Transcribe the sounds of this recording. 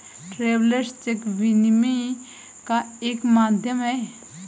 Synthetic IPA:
ʈɾeːwləɾst͡ʃekʋinmi | kaeːkmaːd̪ʱjəmɦɛː

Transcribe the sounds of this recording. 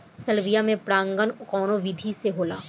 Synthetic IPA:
sɐlʋijamẽpɾãːŋɡənʊkɔːnoʋid̪ʱiseɦoːlaː

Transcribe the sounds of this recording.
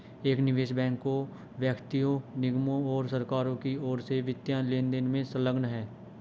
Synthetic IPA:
eːknɪʋeːʃbɛ̃ːŋkːo | ʋjəkt̪ijõnɪɡmõɔːɾsəɾkaːɾõkiɔːɾseʋɪt̪jaːleːnd̪ɪnmẽsə̃ləɡnɦɛː

